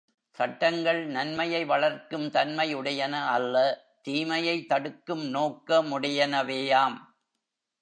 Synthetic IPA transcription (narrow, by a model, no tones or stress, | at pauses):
sɐʈːɐŋɡɐɭnɐnmɐjɐɪʋɐɭɐɾkɯmt̪ɐnmɐɪʊɽɐjɐnɐɐlːɐ | t̪iːmɐjɐɪt̪ːɐɽɯkːɯmnoːkːɐmʊɽɪjɐnɐʋeːjaːm